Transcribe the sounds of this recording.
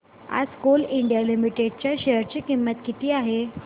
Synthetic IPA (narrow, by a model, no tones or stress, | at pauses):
a̰d͡zkuliɳɖjalimiʈeɖt͡ɕjaɕeɦəɾt͡ɕikimːət̪kit̪ʰiːaɦe